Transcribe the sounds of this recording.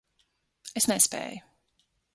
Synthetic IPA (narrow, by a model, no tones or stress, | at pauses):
esnɛspḛːju